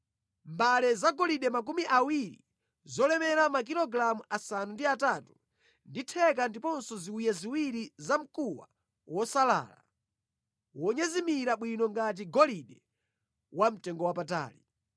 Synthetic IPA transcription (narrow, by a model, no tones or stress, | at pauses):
mbalɛzaɡɔliɗɛmak̬umiʔawiɾḭ | zɔlɛmɛɾamak̬iɾɔɡɾamuʔasanundiatatu | nditʰɛk̬andipɔnsɔziujaziwiɾizam̩kuwa̰ | wɔsala̰la̰ | wɔɲɛzimiɾaɓwinɔŋɡat̬iɡɔliɗɛ | wam̩tɛŋɡɔwapata̰ːli